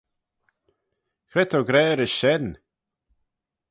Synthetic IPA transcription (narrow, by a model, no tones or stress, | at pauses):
kɾɛt̪ʰoɡɾɛːɾɪsʃɛn